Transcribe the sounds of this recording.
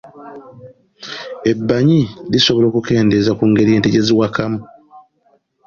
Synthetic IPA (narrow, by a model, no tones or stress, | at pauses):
e̞bːaɲiliso̞βo̞lo̞ːkuke̞ːnde̞zakuːŋɡe̞ɾienteɟeziwakamu